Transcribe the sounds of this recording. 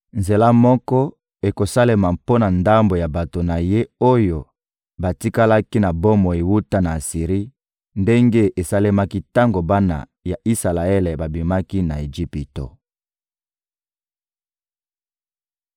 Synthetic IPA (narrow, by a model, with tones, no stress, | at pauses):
nze˨la˦mɔ˦kɔ˦ | e˨ko˨sa˦le˦ma˨po˦na˨nda˦mbo˨ja˨ba˨to˨na˨je˦o˦jo˨ | ba˨ti˦ka˦la˦ki˦na˨bo˦mo˨e˨wu˦ta˦na˨si˨ʁi˦ | nde˦ŋɡe˦ʔe˨sa˦le˦ma˦ki˦ta˦ŋɡo˨ba˦na̰˨ | ja˨ʔi˦sa˨la˨e˦le˨ba˨bi˨ma˦ki˦na˨e˨d͡ʒi˦pi˨to̰˨